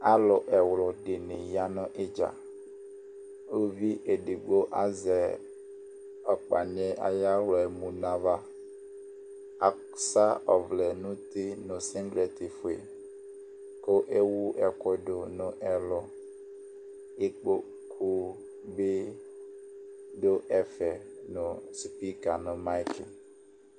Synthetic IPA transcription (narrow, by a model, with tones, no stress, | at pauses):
a˦lɔ˨ʔɛ˨wlɔ˨ɖe˨ne˨ja˦nɔ̃˦ʔe˦d͡ʒa̰˨ | o˦vi˦ʔe˨ɖe˨ɡ͡bo˦ʔa˦zɛ˨ | ɔ˨k͡pa˨n˨˦ɛ˦ʔa̰˨ja˦wlɔ˨ɛ˨mũ˨nã˨va˦ | a˨ | sa˦ɔ˨vlɛ˨nũ˦t̪e˦nõ˨sɛ̃˦ŋɡɾe˨t̪i˨fu˨e˨ | ko˦ʔe˦wu˦ʔɛ˨kɔ˦do˨nʊ̃˨ʔɛ˨lɔ˨ | e˦k͡po˦ | kʰu˦ | be˦ | do˦ʔɛ˨fɛ˨nʊ̃˨spi˦ka˨nʊ̃˨ma˦kʰi˨